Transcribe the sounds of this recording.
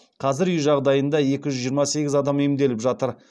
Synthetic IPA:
qʰɑzɪɾyujʒɑʁd̪ɑjənd̪ɑje̞kʲɪʒʏzʒijəɾmɑse̞ɡʲɪzɑd̪ɑmimd̪e̞lɪpʒɑt̪əɾ

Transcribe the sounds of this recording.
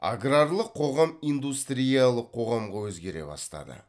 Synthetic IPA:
a̰ɡrarlˠəqʰo̞ʁɑmijnd̪ust̪ɾʲijalˠəqʰo̞ʁɑmʁɑwɵzɡʲe̞ɾe̞̰bɑ̰st̪ɑ̰d̪ə̰

